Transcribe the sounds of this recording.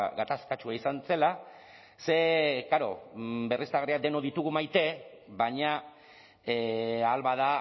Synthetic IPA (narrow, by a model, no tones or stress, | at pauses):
ɡat̪askat͡ʃuaisanse̞la | se̞kaɾo̞̰be̞risaɣriakd̪e̞noðit̪uɣumajt̪e̞βaɲa | alβaða